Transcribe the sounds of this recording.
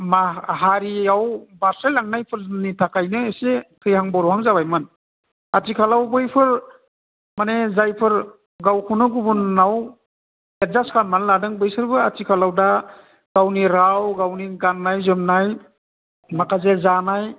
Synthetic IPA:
maɦaɾiawbasɾajlaŋnajpʰɯɾnitʰakajnɯesekʰɯjhaŋbɔɾɔwhaŋzabajmɯn | atʰikʰalawbɯjpʰɯɾ | manezajpʰɯɾ | ɡawkʰunɯɡubunːaw | et̚zaskʰanmanladɯŋbɯjsɯɾbɯatʰikʰalawda | ɡ̥awniɾawɡawniɡanːajzɯmnaj | makʰazezanaj

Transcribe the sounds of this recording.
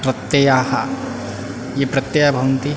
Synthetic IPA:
pɾɐt̪ːjejaha̰ | jepɾɐt̪jejabʱɐwnt̪i

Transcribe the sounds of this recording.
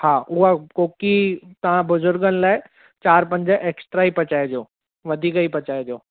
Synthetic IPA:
haːʔʊɦakoːkit̪ɐʋ̤ãbʊzʊɾɡənɪ̆laːɪ | t͡ɕaːɾpɐ̃ɲd͡ʑəʔeːksʈɾaːipɐt͡ɕaːed͡ʑoː | ʋɐd̪ʱiːkɐipɐt͡ɕaːed͡ʑoː

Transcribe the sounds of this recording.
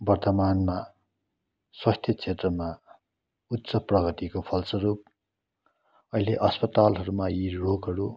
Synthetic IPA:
bʌrt̪ʌmanma | swast̪ʰjʌt͡sʰet̪rʌma | ut̪ːsʌprʌɡʌt̪ikopʰʌlsʌɾup̚ | ʌɦileʔʌspʌt̪alɦʌɾumairoɡɦʌɾu

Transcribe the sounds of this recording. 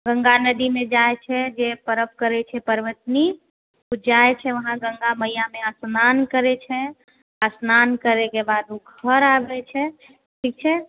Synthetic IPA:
ɡə̃ŋɡanəd̪imẽd͡ʒaet͡ʃʰɛd͡ʒepəɾəp̚kəɾɛt͡ʃʰɛpəɾʋət̪ni | ud͡ʒaet͡ʃʰɛʋəɦãɡə̃ŋɡaməijameəsnankəɾɛt͡ʃʰɛ | əsnankəɾekebaːd̪oɡʱəɾabɛt͡ʃʰɛ | ʈʰik̚t͡ʃʰɛ

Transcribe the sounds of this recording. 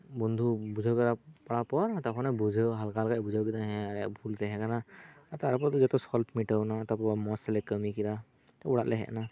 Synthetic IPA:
bɔnd̪ʱubuzʱawkɔɾapaɹapɔɹtakʰɔnɛbuzʱawɦalkalkajbuzawkitaɦɛ̃aɛkbʱultɛɦɛkanaataɹp̬ɔtɔzɛtɔsɔlpʰmitawnatapɔamɔsɛlɛkəmikita | tauɹatlɛɦɛ̰ʔna

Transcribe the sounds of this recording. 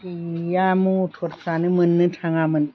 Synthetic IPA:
ijamutʰot̚sanɯmɯnːɨtʰaŋamɯn

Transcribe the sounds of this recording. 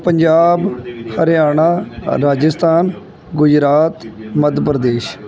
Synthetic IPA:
pəɲd͡ʒaːbhəɾjaːɳ̃aːɾaːd͡ʒəst̪ʰaːn | ɡʊd͡ʒɾaːt̪məd̪ʱpɾəd̪eːʃ

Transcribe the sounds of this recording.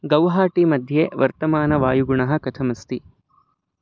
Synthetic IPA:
ɡɐwɦaːʈimɐd̪ʱjeːʋɐɾt̪ɐmaːnɐʋaːjuɡuɳɐɦɐ̆kɐt̪ʰɐmɐst̪i

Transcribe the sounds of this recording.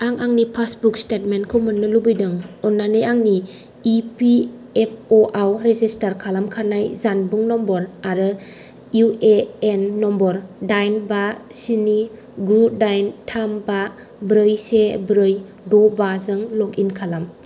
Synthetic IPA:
aŋaŋnipʰasbukstet̚menkʰɯwmɯnːɯlubɯjdɯŋɔnːanɯjaŋni | ipi | epʰoʔawɾezistaɾkʰalamkʰanajzanbuŋnɔmbɔɾaɾɯ | jueenːɔmbɔɾdajnbasini | ɡudajntʰamba | bɾɯjsebɾɯj | dɔbazɯŋlɔkinkʰalam

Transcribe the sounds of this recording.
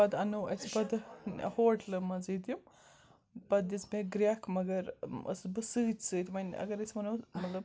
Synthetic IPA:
ɐd̪ɐnoːʔɐt͡sbɐd̪̰hoːʈlɨmɐziːd̪jim | bɐd̪it͡smeɡɾʲakʰmɐɡɐɾɐ̰sbɨsɨːt͡ʃʲsɨːt̪ʰʲmɐnʲɐ̰ɡɐɾɐt͡smɐnomɐt̪lɐb̚

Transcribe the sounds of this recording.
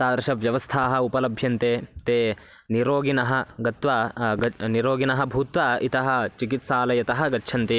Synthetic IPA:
saːd̪ɐɾʃɐʋjɐʋɐst̪ʰaːɦɐ̆upɐlɐbʱjɐnt̪eːt̪eː | niɾoːɡinɐɦɐ̆ɡɐt̪ʋaːɡɐniɾoːɡinɐɦɐbʱuːt̪ʋaːit̪ɐɦɐ̆t͡ʃikit̪saːlɐjɐt̪ɐɦɐ̆ɡɐtːʃʰɐnt̪eː

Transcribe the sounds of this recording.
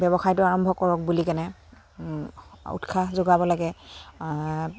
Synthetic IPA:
bɛbɔxajtʊaɹɔmbʱɔkɔɹɔk̚bulikanɛ | ṵtkʰazoɡabɔlaɡɛ

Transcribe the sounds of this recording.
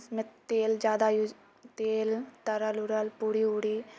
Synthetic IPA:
smɪt̪t̪eːld͡ʒjaːd̪aju | t̪eːlt̪ɐɾalʊɾəlpuːɽiːuːɽiː

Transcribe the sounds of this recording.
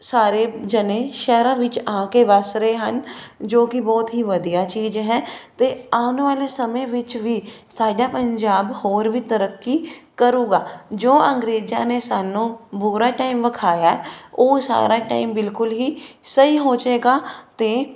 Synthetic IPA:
saːɾeːd͡ʒənẽːʃɛːɾãːʋɪt͡ʃãːkeʋaːsɾeɦənd͡ʒoːkɪbɔːt̪ɦiːʋəd̪ijaːt͡ʃiːzɦɛ̃ːt̪eːaːnʋaːlesəmẽʋɪt͡ʃʋiːsaːɖaːpəɲd͡ʒaːbhoːɾʋiːt̪əɾəkːikəɾũːɡaːd͡ʒoːʔə̃ŋɡɾeːd͡ʒa̰ːnesaːnũːbuːɾaːʈaːimʋəkʰaːjaːɦɛoːsa̰ːɾaːʈa̰ːɪmbɪlkʊlɦiːsəiːɦoːt͡ʃeːɡaːt̪eː

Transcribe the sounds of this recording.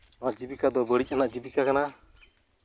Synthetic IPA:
ɔnaʔd͡ʒibikad̪ɔbəɽic̚ˀanaʔd͡ʒibikakana

